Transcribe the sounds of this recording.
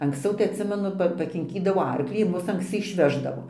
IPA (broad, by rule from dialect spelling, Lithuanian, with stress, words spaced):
ɐŋksʲˈt͡sʲɛʊ tɐɪ ɐtʲˈsʲɪmʲɛnʊ ˈpɐ pɐkʲɪŋʲˈkʲiːdɐʋoː ˈɐrklʲiː ɪr ˈmʊs ɐŋksʲˈt͡sʲɪ ɪʃʲˈʋʲæːʒdɐʋoː